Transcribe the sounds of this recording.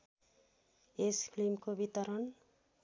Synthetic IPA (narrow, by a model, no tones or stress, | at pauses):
espʰlimkobit̪ʌɾʌn